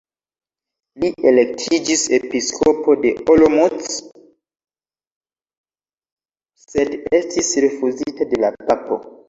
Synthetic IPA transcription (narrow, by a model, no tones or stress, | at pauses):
liʔe̞le̞k̚tʰid͡ʒise̞piskʰopo̞de̞olomut͡s | se̞de̞stisɾe̞fuzitade̞lapapo̞̰